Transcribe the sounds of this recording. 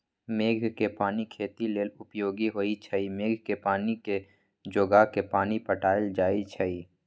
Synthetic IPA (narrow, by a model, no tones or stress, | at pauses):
meːɡʱkepaːnikʰeːt̪ileːlʊpjoːɡiɦoːit͡ʃʰəimeːɡʱkepaːnike | d͡ʒoːɡakepaːnipəʈaːld͡ʒaːit͡ʃʰəi